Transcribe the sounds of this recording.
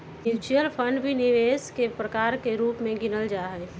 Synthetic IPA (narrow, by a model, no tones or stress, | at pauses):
it͡ʃijəlpʰə̃ɳɖbʱiniʋeːskepɾəkaːɾkeɾuːpmẽɡɪnəld͡ʒaːɦɛ